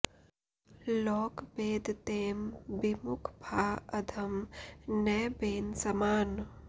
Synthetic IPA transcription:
lɔːkbeːd̪ʱt̪eːmbɪmʊkʰbʱaːɐd̪ʱɐmnɛːbeːnsɐmaːn

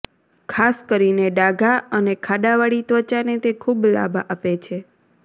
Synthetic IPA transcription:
kʰaskəɾineɖaɡʱaənekʰaɗaʋaɽit̪ʋət͡ʃanet̪ekʰubla̰bʱaʔapet͡ʃʰe

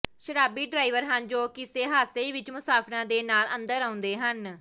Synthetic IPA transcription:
ʃəɾaːbiːɖɾaːiʋəɾɦənd͡ʒoːkɪseːɦaːseːʋɪt͡ʃmʊsaːpʰɾãːd̪eːnaːlə̃nd̪əɾãːʊ̃nd̪eːɦən

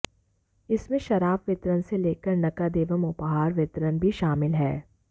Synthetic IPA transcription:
ɪsmẽʃɐɾaːbʋɪt̪ɾənseleːkəɾnɐkad̪eːʋəmʊpɦaːɾʋɪt̪ɾənbʱiʃaːmɪlɦɛː

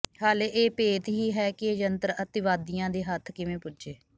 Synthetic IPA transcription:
haːleːʔeːpeːt̪ɦiːɦɛːkɪeːd͡ʒənt̪əɾət̪ɪʋaːd̪ijãːd̪eːɦət̪ʰkɪʋẽːpʊd͡ʒeː

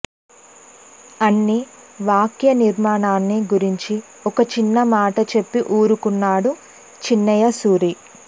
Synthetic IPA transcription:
ɐnːi | ʋaːkjɐniɾmaːɳaːnːiɡuɾiɲt͡ʃi | ɔkɐt͡ʃinːɐmaːʈɐt͡ʃe̞pːiʔuːɾukunːaːɽu | t͡ʃinːɐjɐsuːɾi

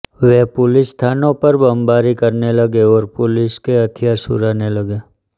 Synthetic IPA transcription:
ʋɛɦpʊlɪsːt̪ʰaːnõpɐɾbɐmbaːɾikɐɾnelɐɡeɔːɾpʊlɪskeɐt̪ʰɪjaːɾsʊ̰ɾaːnelɐɡeː

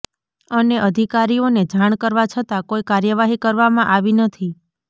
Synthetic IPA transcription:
əneʔəd̪ʱikaɾioned͡ʒaɳ̃kəɾʋat͡ʃʰət̪akoikaɾjəʋaɦikəɾʋamãʔaʋinət̪ʰi

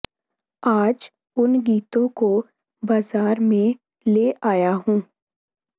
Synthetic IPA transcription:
aːd͡ʒ | ʊnɡiːt̪õko | baːzaːɾmẽ | leːʔaːjaɦũː

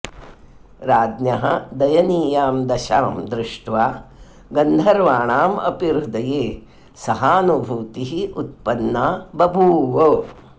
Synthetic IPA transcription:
ɾaːd̪njɐɦɐ̰d̪ɐjɐniːjaːmd̪ɐʃa̰ːmd̪ɾɪʂʈʋaː | ɡɐnd̪ʱɐɾʋaːɳaːmɐ̰piɾud̪ɐjeː | sɐɦaːnubʱuːt̪iɦiʔut̪̚pɐnːaːbɐbʱuːʋoː

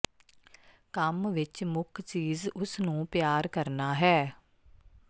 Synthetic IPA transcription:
kəmʋɪt͡ʃmʊkʰt͡ʃiːzʊsnũːpjaːɾkəɾnaːɦɛː

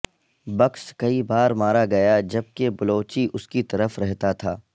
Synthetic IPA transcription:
bɐkʃkɐibaːɾmaːɾaɡɐjad͡ʒɐb̚kebɐloːt͡ʃiʔʊskit̪ɐɾəfɾɛɦt̪at̪ʰaː

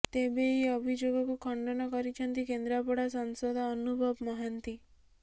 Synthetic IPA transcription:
t̪ebeiəbʱid͡ʒoɡɔkukʰɔɳɖɔnɔkɔɾit͡ʃʰənt̪ikend̪ɾapɔɽasɔnsod̪ʱaːnubʱɔbmɔɦənt̪i

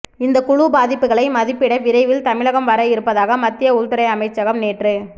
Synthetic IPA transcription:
ɪnd̪ɐkʊɻʊbaːðɪpːɯɣɐɭɐɪmɐðɪpːɪɽɐʋɪɾɐɪʋɪlt̪ɐmɪɭɐɣɐmʋɐɾɐjɪɾɯpːɐðaːɣɐmɐt̪ːɪjɐʊlt̪ɪɾɐɪɐmɐɪt͡ʃːɐɣɐmneːʈrɯ

